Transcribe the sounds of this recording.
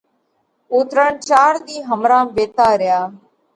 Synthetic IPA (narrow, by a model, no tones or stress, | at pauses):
ʊt̪ɾəɳt͡ʃaːɾd̪iːɦəmɾãːʋeːt̪aːɾɪjaː